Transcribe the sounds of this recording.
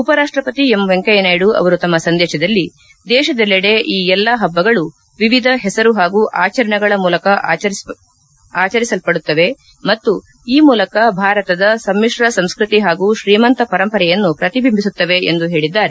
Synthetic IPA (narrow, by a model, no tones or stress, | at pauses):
upɐɾaːʂʈɾɐpɐt̪iemʋeŋkɐjɐnaːjɽuɐ̰ʋɐɾut̪ɐmːɐsɐnd̪ɛːʃɐd̪ɐlːi | d̪ɛːʃɐd̪ɐlːiɽe̞ʔiːɛlːɐɦɐbːɐɡɐɭu | ʋiʋid̪ʱɐɦɛsɐɾuɦaːɡuːʔaːt͡ʃɐɾɐɳɐɡɐɭɐmuːlɐkɐ | aːt͡ʃɐɾisɐlpɐɽut̪ːɐʋe̞ | mɐt̪ːu | iːmuːlɐkɐbʱaːɾɐt̪ɐd̪ɐsɐmːiʂɾɐsɐmskɾit̪iɦaːɡuːʃɾiːmɐnt̪ɐpɐɾɐmpɐɾɛjɐnːupɾɐt̪ibʱimbʱisut̪ːɐʋe̞end̪uɦe̞ːɭid̪ːaːɾe